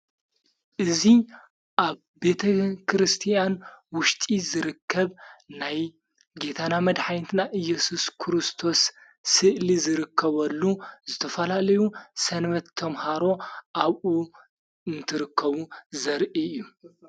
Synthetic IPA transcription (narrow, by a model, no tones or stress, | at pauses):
ʔɨzi | ʔaβ | be̞t̪ʰɐkʰɾɨst̪ʰijanwʊʃt̪ʼizɨɾɨkʰːɐβnaj | ɡe̞t̪ʰanamɐd̪ħajnt̪ʰɨnaʔɨjɛsuskʰɨɾɨst̪ʰo̞sː | ɨʔlizɨɾɨkʰːɐβɐlːuzɨt̪ʰɐfɐlalɐjusɐnβɐt̪ʰːɐmhaɾo̞ʔaβʔu | ɨnt̪ʰɨɾɨkʰːɐβuzɐɾʔiɨjːu